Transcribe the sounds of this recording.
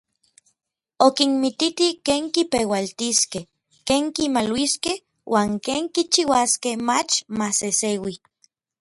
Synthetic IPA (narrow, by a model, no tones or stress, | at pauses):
okinmit̪it̪ikeːŋkipewalt̪iskeh | keːŋkimalwiskeh | wʔaːŋkeːŋkit͡ʃiwaskehmat͡ʃmasesewi